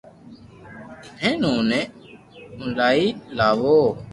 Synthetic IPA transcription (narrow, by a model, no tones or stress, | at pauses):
nẽːnõːnẽː | ʊnlaːiːlaːʋoː